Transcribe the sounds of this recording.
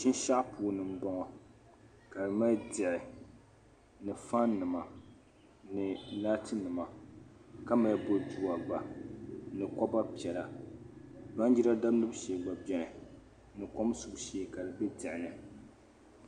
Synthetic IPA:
ʃɪ˦n˦ʃa˦ʔpuː˨nɨ˨m̩˦ba˦ŋɔ˨ | ka˨dɨ˨ma˦dɪ˨ʔɪ˨ | nɨ˨fa˦nːɨ˨ma˨ | nɨ˨laː˦tɨ˦nɨ˨ma˨ | ka˦ma˨˦bo˦du˦a˨ɡ͡ba˨ | nɨ˨kɔ˦ba˦pi˨ɛ˨la˨ | da˦n˦d͡ʒi˦ɾa˦da˦blɨ˦bʃe˨˦ɡ͡ba˨bɛ˨nɨ˨ | nɨ˨kɔ˦msu˨ʃe˦ka˨dɨ˨bɛ˦dɪ˨ʔɪ˨nɨ˨

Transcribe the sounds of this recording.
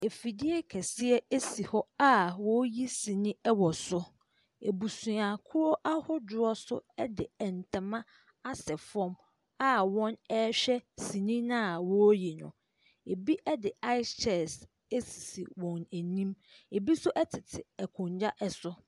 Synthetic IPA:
e˨fi˨dɪ˦ɛ˦kʰɛ˨sɪ˦ɛ˦e˦si˨hɔ˦a˦wɔ˦ji˦sĩ˨nĩ˦ɛ˦wɔ˨sʊ˦ | e˨bu˨sũ˨a˨kʰʊ˦ɾɔ˦ʔa˦hʊ˦dʊ˨ɔ˦sʊ̰˦ɛ˦dɪ˨ɛ˨n̩˨tʰã˨mã˦ | a˦sɛ˨fɔ̃˦m | a˦wɔ̃˦nɛ˦ɕᶣɛ˦si˨nĩ˦nã˦˨wɔ˦ji˨nʊ̰̃˨ | e˨bi˦ʔɛ˦dɪ˨a˦ɪ˦t͡ʃʰɛ˨s | e˦si̥˨si˨wɔ̃˨næ˨nĩ˦m | e˨bi˦sʊ˦ʔɛ˦tʰɪ˨tʰɪ˨ɛ˨kʰʊ̃˨ɲd͡ʑa˦ʔɛ˨sʊ˦

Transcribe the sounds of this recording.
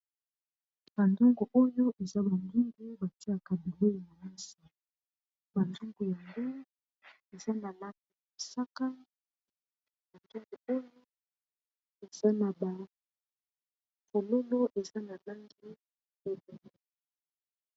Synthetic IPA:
b̥a˨ndo˦ŋɡo˨ʔo˦jo˦ʔe˨za˦ba˨ŋɡi˦ŋɡi˦ba˨ti˦a˨ka˨bi˨le˦i˨ma˨na˦si˨ | ba˨nzu˦ŋɡu˨ja˨ŋɡo˦ | e˨za˦na˨la˦ŋdi˨ja˨sa˦ka˦ | ba˨ndo˦ŋɡo˨o˦jo˦ | e˨z̥a˦na˨ba˨ | ko˨lo˦lo˦ʔe˨za˦na˨la˦ŋɡi˦ | e˨be˨l

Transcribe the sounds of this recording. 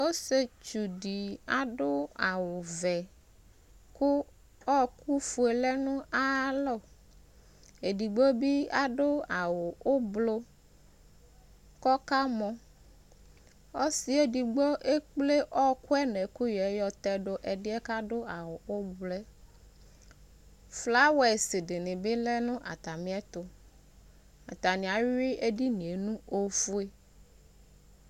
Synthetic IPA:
wo˦se˨t͡ʃu˨ɖi˨a˨ɖo˦a˨wo˨vɛ˨ | ku˦ | ɔ˦ku˦fu˨e˨lɛ˦nũ˦a˦lɔ˦˨ | e˨di˨ɡ͡bo˦bi˦a˨ɖo˦a˨wo˨o˦blo˦ | kɔ˦ka˦mɔ̃˨ | o˦si˦e˦di˨ɡ͡bɔ˦ʔe˦k͡ple˦ʔɔ˦kwɛ˦nɛ̃˨ku˦jɛ˨˦jɔ˦t̪ɛ˦ɖo˦ʔe˨ɖi˦ɛ˦ka˦ɖo˦a˨wo˨o˦blɛ˦ | fla˦we˨si˨ɖe˨nĩ˨be˦lɛ˦nũ˦ʔa̰˨t̪a˨mĩ˦ɛ˦t̪o˨ | a̰˨t̪a˨nĩ˨a˨ɥi˦e˦ɖi˦nĩ˨e˨nũ˦o˦fu˦e˦

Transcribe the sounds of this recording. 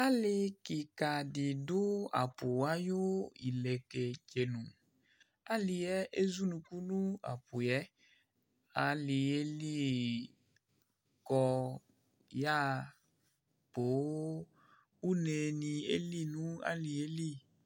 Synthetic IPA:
a˦lɪ˦kɪ˨ka˨dɪ˨dʊ˦a̰˨pʊ˨a˦jʊ˦i˨le˨ke˨t͡ʃe˨nũ˨ | a˦lɪ˨jɛ˦ʔe˦zu˦nũ˨ku˦nũ˦a̰˨pʊ˨jɛ˦ | a˨lɪ˨e˦li˦ | kɔ˨ | ja˦ | po˨˦ | u˦ne˨nĩ˨ḛ˦li˦nũ˦a̰˦lɪ˨e˦li˦

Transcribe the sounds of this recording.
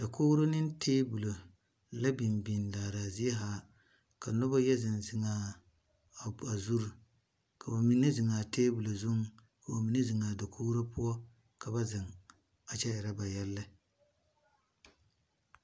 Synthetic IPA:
d̥a˨koː˦ɾo˦nɪ˦n˦tʰeː˦bu˨lo˨ | la˦bi˨mbi˨n˨laː˨ɾa˨zi˦ɛ˦ɦaː˦ | ka˨nɔ˦ba˦jɛ˦zɪ˨nzɪ˨ŋa˨ | a˨zu˦ɾu˨ | kʰa˨ba˨mi˦nɨ˦zɪ˨ŋaː˨teː˦bu˨lo˨zu˦ŋ˦ | ka˨ba˨mi˨nɨ˦zɪ˨ŋa˨da˨kʰoː˦ɾo˦pʊ˦ɔ˦ | ka˨ba˦zɪ˨ŋ | a˨t͡ʃɛ˦ɪ˨ɾa˦ba˨jɛ˦lːɨ˦

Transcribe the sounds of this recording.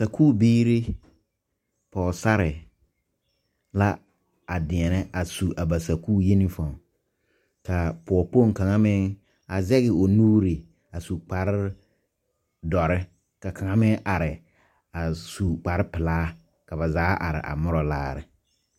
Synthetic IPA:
sa˨kʰuː˦˨biː˦ɾi˦ | pɔː˨sa˦ɾɪ˨ | la˦ | a˨dɪ̃˨ɛ˨nɪ˦ʔa˨su˨ʔa˨ba˨sa˨kʰuː˦˨je˦nĩ˦fã˨ | kʰa˨pʰʊ˨ɔ˨po˦˨ŋ˨kã˨ŋã˦mɪ̃˦ŋ | a˨zɛ˦ɣɪ˨o˨nuː˦ɾi˨ | a˨su˨k͡pa˨ɾɪ˦ | dɔ˨ɾɪ˦ | ka˨kʰa˨ŋã˦mɪ̃˦ŋʔa˨ɾɪ˨ | a˨su˨k͡pa˨ɾɪ˦pɪ˨laː˦ | ka˨ba˨zaː˨˦ʔa̰˨ɾɪ̰˨ʔa̰˨mʊ˦ɾɔ˨la̰ː˦ɾɪ̰˨

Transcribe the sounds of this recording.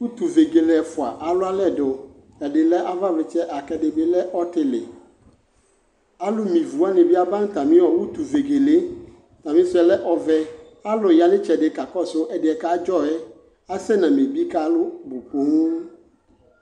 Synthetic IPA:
wu˦t̪u˨ve˨ɡe˨le˨˦ɛ˨fʊ˨a̰˨ʔa˨lʊ˦a˦lɛ˦˨dɔ˨ | ɛ˨ɖɪ˨lɛ˦ʔa˦va˦vɪ˨t͡ʃɛ˦ʔa˨kɛ˨ɖɪ˨bɪ˨lɛ˦ʔɔ˦t̪ɪ˨lɪ̰˨ | a˦lʊ˦mĩ˨vu˨a˦nɪ̃˨bi˦a˦bã˦ŋ˦t̪a˨mɪ̃˦wɔ˨wu˦t̪u˨ve˨ɡe˨le˦ | t̪a˨mĩ˦sɛ˨lɛ˦ʔɔ˨vɛ˦ | a˦lʊ˨ja˨nɪ̃˦t͡ʃɛ˨dɪ˨ka˨kɔ˦sʊ˦ʔɛ˨dɪ˨ɛ˨ka˦d͡ʒɔ˦ɛ˦ | a˦sɛ˦nã˨mẽ˨bi˦ka˦lʊ˦bo˨po˨˦ŋũ˦

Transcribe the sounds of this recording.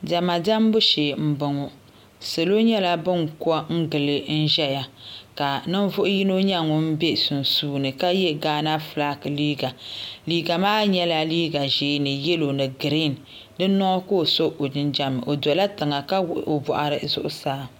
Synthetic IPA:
da˨ma˨da˦mbʊ˦ʃeː˨m̩˦˨bɨ˨ŋɔ˨ | se˨lo˦ɲɛ˦la˦bɨ˦ŋku˦ɔ˦ŋ̩˦ɡɨ˨lɨ˨n̩˦ʒɛ˦ja˨ka˨nɨ˦n˦vʊ˦ʔʊ˦ji˦no˦ɲa˦˨ŋʊ˨m̩˦be˦sʊ˨n˨suː˦nɨ˨ka˦jɛ˦ɡaː˦na˦fla˦kliː˦ɡa˨liː˦ɡa˨maː˦ɲɛ˦la˦liː˦ɡa˨ʒeː˨˦nɨ˨jɛ˦lo˨nɨ˨ɡɨ˨ɾi˦˨n | dɨ˦nɔ˦ko˦˨so˦ʔo˨dɨ˦nd͡ʒa˦mɨ˨ʔo˨dɔ˨la˦tɨ˨ŋa˨ka˦wo˨bɔ˨ʔa˨ɾɨ˨zʊ̰˦ʔʊ˦saː˦

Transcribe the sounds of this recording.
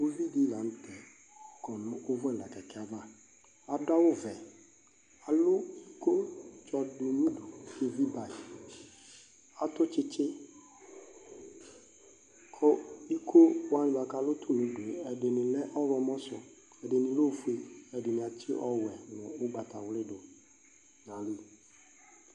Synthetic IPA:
o˦li˦di˦˨la˨n̩˦tɛ˨ | kɔ˨nʊ̃˨˦o˦vʊ˦ɛ˦˨la˨kɛ˨kɛ˦a˨˦va˦ | a˨da˦wʊ˦vɛ˨ | a˨lʊ˦i˦ko˦t͡ʃɔ˧dʊ˨nũ˦do˨ke˦vi˦ba˨i˨ | a˨tʊ˦t͡ʃɪ˦t͡ʃɪ˦ | kʰɔ˦i˦kʰo˦wa˨˦nɪ̃˦ba˨ka˨lʊ˦t̪ʰu˦nũ˨do˨ɛ˨de˨nɪ̃˨lɛ˦ʔɔ˦vɔ˧mɔ̃˦sʊ˨ | ɛ˨dɪ˨nɪ̃˨lo˦fu˨˦e˨ɛ˨dɪ˨nĩ˨a˨t͡ʃɪ˦ʔɔ˦wɛ˨n˨ɔ̃˨ʊ˦ɡ͡ba˨t̪a˨wlɪ˦ɖo˨ | nã˨li˦

